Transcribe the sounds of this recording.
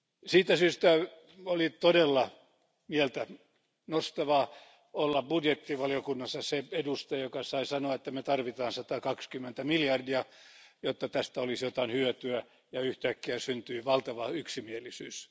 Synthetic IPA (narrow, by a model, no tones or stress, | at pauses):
siːt̪æsyːst̪æ | olit̪odelːɑ | mielt̪æ | nost̪ɑʋɑ | olːɑbudjet̪ːiʋɑlijokunːɑsːɑseedust̪ɑjokɑsɑisɑnoɑet̪ːæmet̪ɑrʋit̪ɑːnsɑt̪ɑkɑkskymːent̪æmiljɑrdiɑjot̪ːɑt̪æst̪æolisjot̪ɑinhyøt̪yæ | jɑyht̪ækːiæsynt̪yːʋɑlt̪ɑʋɑyksimielisyːs